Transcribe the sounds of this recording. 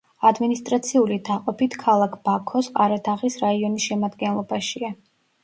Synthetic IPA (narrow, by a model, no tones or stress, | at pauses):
ad̪minist̪ʼɾat̪sʰiulid̪aqʼɔpit̪ʰkʰalˠakʰb̥akʰɔsqʼaɾad̪ʰaʁisɾaiɔnisʃɛmad̪ɡɛnlˠɔbaʃia